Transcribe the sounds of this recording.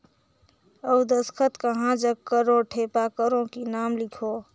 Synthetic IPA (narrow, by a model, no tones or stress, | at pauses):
əwd̪əskʰət̪kəɦãd͡ʒəɡkːəɾoʈʰepakəɾõkinaːmlikʰo